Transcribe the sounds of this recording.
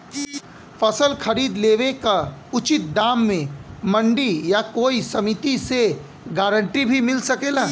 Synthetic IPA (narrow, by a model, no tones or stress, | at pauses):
fʰɐsəlxʰɐɾiːd̪leːʋekaʊt͡ʃɪt̪̚d̪aːmːẽmɐ̃ɳɖijakoːisɐmɪt̪ise | ɡaːɾə̃ɳʈibʱimɪlsɐkeːlaː